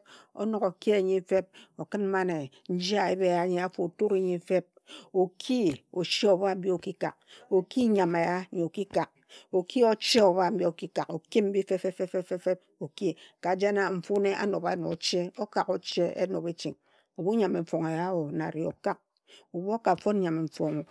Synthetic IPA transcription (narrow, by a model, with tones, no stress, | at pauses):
o̰˦no˨ko˨ke˦e˨ɲi˦fe˦p̚o˨kɨ˦nm̩˦ma˦ne˨ | n̩˦d͡ʒi˦a˨e˦be˦˨ja˦ɲe˦a˦fo˨tu˦ɾe˨ɲi˨˦fe˦p̚ | o˨kʰi˦o˨ʃe˦o˨ba˦m̩˦bi˦o˨ki˦ka˨k̚o˨ki˦ɲa˨me˨ja˦ɲe˨o˨ki˦ka˨k̚o˨ki˦o˦t͡ʃe˦o˨βa˦m̩˦bji˦o˨ki˦ka˨ko˨ki˦m̩˦bi˦fe˦fe˦fe˦fe˦fe˦fe˦p̚ | o˨ki˦ka˨d͡ʒa˦na˦m̩˨fu˦ne˦ʔa̰˦no˨ba˨˦no̰˨t͡ʃe˦o˦ka˨ko˨t͡ʃe˦ḛ˦no˨pe˦t͡ʃi˨ŋ | o˨bu˦ɲa˨me˨ɱ̩˨fo˨ŋe˨ja˦o˨na˨ɾi˨o̰˨ka˦k̚ | o˨bo˦ka˨fo˦n˦ɲa˨me˨ɱ̩˨fo˨ŋ˨